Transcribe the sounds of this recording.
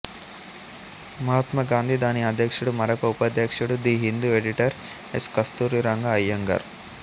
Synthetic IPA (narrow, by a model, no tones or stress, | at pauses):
mɐɦɐt̪mɐɡaːnd̪ʱid̪aːniɐd̪ʱjɐkʂuɽumɐɾɐkɐupɐd̪ʱjɐkʂuɽud̪iːɦind̪ueɖiʈɐɾ | eskɐst̪uːɾiɾɐŋɡɐːjːɐŋɡɐ̰ɾ